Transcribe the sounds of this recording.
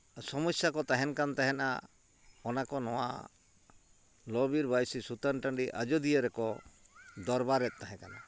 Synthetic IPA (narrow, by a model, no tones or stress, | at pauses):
sɔmɔsjakɔt̪aɦɛnkant̪aɦɛna̰ | ɔnakɔnɔwa̰ | lɔbiɾbajsisut̪anʈə̃ɳɖiʔa̰d͡ʒɔd̪ijəɾɛkɔ | d̪ɔɾbaɾɛt̪̚t̪ːaɦɛ̃kana̰